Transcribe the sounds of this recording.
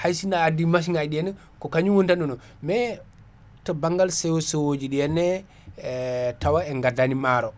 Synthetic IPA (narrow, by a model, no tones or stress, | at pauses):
hajsinaːdimaʃ̬iŋajɗiɛnɛ | kɔkaɲuwontanunɔ | mɛ | tɔbaŋɡalsɛwɔswod͡ʒiɗijɛnːɛ | tawaɛŋɡadanimaɾɔ